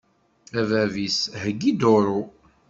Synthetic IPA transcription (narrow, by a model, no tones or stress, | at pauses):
ævævishəɡːid̪oɾu